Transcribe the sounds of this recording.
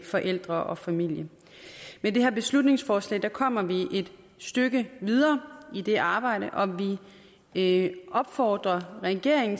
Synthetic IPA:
fɒ̽ʔel̰d̥ʁɐʔɒ̽fæmil̰jə | mede̝ɦeɐb̥e̝slud̥ne̝ŋsfɒːslɛ̰ːɪd̥ækʰɒ̽m̰ɐʋiʔe̝d̥ | sd̥øɡ̥əʋið̞ˠɐːid̥e̝ʔɑ̈ːb̥ɑ̈ɪ̰ɾ̥əʔɒ̽ʋi | ʔɒ̽b̥fɒːd̥ʁɐʁɛɡ̥e̝ɐ̰eŋn̩

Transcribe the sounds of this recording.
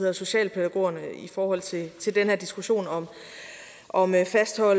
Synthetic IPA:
eðˠɐso̝ɕɛ̰ːlpʰæd̥æɡ̥o̝̰ɐnəifɒːhɒ̽l̰t͡sʰe̝t͡sʰe̝ld̥enhæɐ̰d̥isɡ̥uɕo̝̰ːnɒ̽m | ʔɒ̽mfæsd̥hɒ̽l

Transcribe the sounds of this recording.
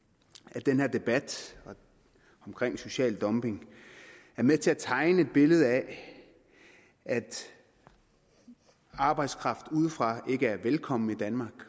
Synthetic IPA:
æd̥enhe̝ɐ̰d̥e̝b̥æd̥ɒ̽ | ɒ̽mkʰʁeŋ̰so̝ɕɛ̰ːld̥ɒ̽mb̥e̝ŋ | æɐmet͡sʰe̝æt͡sʰɑ̈ɪnəe̝d̥̚b̥e̝ləð̞̩ˠæ | æd̥ | ɑ̈ːb̥ɑ̈ɪd̥skʰʁɑ̈fd̥uð̞ˠfʁɑ̈ʔe̝ɡ̥əæɐʋelkʰɒ̽m̰n̩id̥ænmɑ̈ːɡ̥

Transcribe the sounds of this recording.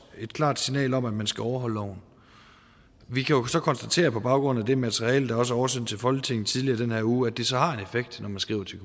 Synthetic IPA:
e̝d̥̚kʰlɑ̰̈ːd̥sinɛ̰ːlɒ̽mæd̥mænsɡ̥æɒʊɐɦɒ̽l̰əlɒ̰ʊ̰n̩ | ʋikʰæjo̝sɒ̽kʰɒ̽nsd̥æt͡sʰe̝̰ːɐpʰɒ̽b̥ɑ̈ʊɡ̥ʁɔ̽n̰̩æd̥e̝mæt͡sʰʁiɛ̰ːləd̥ɑ̈ɒ̽s̬əɐɒʊɐsen̰t͡sʰe̝lfɒ̽lɡ̥ət͡sʰe̝ŋ̰n̩t͡sʰið̞ˠliɐd̥enheɐ̰uːæd̥e̝sɒ̽hɑ̈e̝nefeɡ̥̚d̥nʔɒmænsɡ̥ʁḭːʊɐt͡sʰe̝kʰ

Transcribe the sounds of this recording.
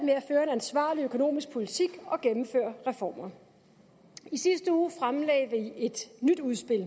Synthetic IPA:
æ̥meæføːɐe̝nænsʋɑ̰̈ːliøkʰo̝no̝̰ːmisɡ̥̚pʰo̝lit͡sʰiɡ̥ɒ̽ɡ̥emm̩fø̰ːɐʁɛfɒ̰ːmɐ | isisd̥əuːfʁamlɛ̰ːɪʋie̝d̥nyd̥uðˠsb̥e̝l̰

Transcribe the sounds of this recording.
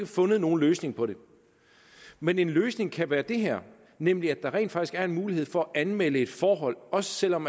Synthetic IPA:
ɡ̥əfɔ̽nəð̞̩ˠno̝ːn̩løːsne̝ŋpʰɒ̽ɾe̝ | mene̝nløːsne̝ŋkʰæʋæːɐd̥e̝ɦeɐ̰ | nem̰liæd̥ɑ̈ʁḛːnd̥fɑ̈ɡ̥isɡ̥æɐe̝nmuːlihe̝ð̰ˠfɒ̽æʔænmeləe̝d̥fɒːɦɒ̽l̰ɒ̽sə̥sel̰ɒ̽m

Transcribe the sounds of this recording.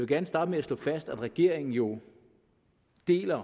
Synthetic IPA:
ʋe̝ɡ̥æɐnəsd̥ɑ̈ːd̥əmeæslɔ̰̽fæsd̥æd̥ʁɛɡ̥e̝ɐ̰e̝ŋn̩jo̝ | d̥e̝̰ːlɐ

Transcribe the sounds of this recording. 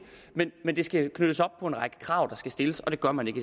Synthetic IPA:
menmend̥e̝sɡ̥ækʰnød̥əsɒ̽b̥̚pʰɒ̽e̝nʁɑ̈ɡ̥ə̥kʰʁɑ̈ʊ̰d̥ɑ̈sɡ̥æsd̥e̝ləsɒ̽d̥e̝ɡ̥ɶɐmæne̝ɡ̥ə

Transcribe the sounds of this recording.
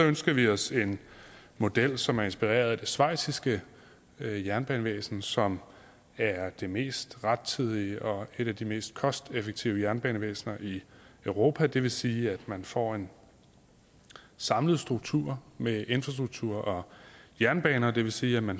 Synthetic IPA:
sɒ̽ønsɡ̥ɐʋiɒ̽se̝n | mo̝d̥el̰sɒ̽mæɐe̝nsb̥iʁḛːɐð̞̩ˠid̥e̝sʋɑ̈ɪ̰sisɡ̥ə | jæɐnb̥ɛ̰ːnəʋḛːsn̩sɒ̽m | æɐd̥e̝me̝̰ːsd̥ʁad̥̚t͡sʰið̞ˠiəʔɒ̽e̝ɾæd̥ime̝̰ːsd̥̚kʰɒ̽sd̥efəɡ̥̚t͡sʰiʊəjæɐnb̥ɛ̰ːnəʋḛːsnɐʔiøʊʁo̝ːpʰæd̥e̝ʋe̝siːæd̥mænfɒ̰ːe̝n | sɑ̈mləð̞̩ˠsd̥ʁuɡ̥t͡sʰuɐ̰meʔe̝nfʁɑ̈sd̥ʁuɡ̥̚t͡sʰuɐ̰ɒ̽jæɐnb̥ɛ̰ːnɐd̥e̝ʋe̝siːæmæn

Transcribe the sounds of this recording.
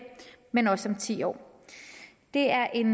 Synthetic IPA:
menɒ̽sɒ̽mt͡sʰḭːɒ̰ː | d̥e̝æɐʔe̝n

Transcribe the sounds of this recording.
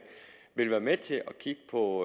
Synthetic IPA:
ʋe̝lʋæːɐmet͡sʰe̝ɒ̽kʰiɡ̥ə̥pʰɒ̽

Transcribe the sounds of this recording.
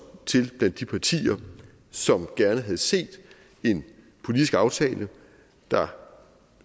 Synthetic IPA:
t͡sʰe̝lb̥læn̰d̥ːipʰɑ̈t͡sʰḭːɐ | sɒ̽mɡ̥æɐnəɦæð̞̩ˠse̝̰ːd̥ | e̝n | pʰo̝lid̥isɡ̥ɑ̈ʊt͡sʰɛ̰ːlə | d̥ɑ̈

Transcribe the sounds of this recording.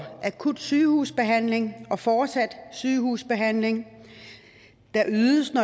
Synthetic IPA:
ʔækʰud̥syːhusb̥e̝ɦæn̰le̝ŋɒ̽fɒːd̥sæd̥syːhuːsb̥e̝ɦæn̰le̝ŋ | d̥ɑ̈ʔyːðˠəsnɒ̽

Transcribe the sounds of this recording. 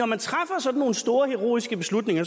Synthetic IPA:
ɒmænt͡sʰʁafɐsɒ̽d̥n̩ːo̝ːn̩sd̥o̝ːɐheʁo̝̰ːisɡ̥əb̥e̝slud̥ne̝ŋɐ

